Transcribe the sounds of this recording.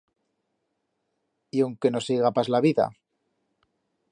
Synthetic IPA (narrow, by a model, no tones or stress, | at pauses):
iawŋke̞no̞siɣapazlaβiða̰